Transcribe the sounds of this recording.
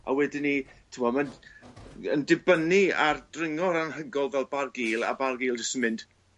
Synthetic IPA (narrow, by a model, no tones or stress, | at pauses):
a̰wɛdɪnitʰɪmɔman | əndɪbəniardrɪŋɔɾanhəɡɔlˠvɛlˠbarɡiːlˠa̰barɡiːlˠd͡ʒəsɪmɪnd̥